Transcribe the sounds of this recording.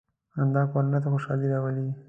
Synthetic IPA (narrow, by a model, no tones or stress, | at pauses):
and̪ɑkaɾunat̪̬axoʃɑliɾawəli